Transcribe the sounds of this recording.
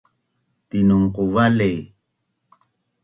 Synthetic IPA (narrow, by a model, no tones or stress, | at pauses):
t̪inuŋquvalej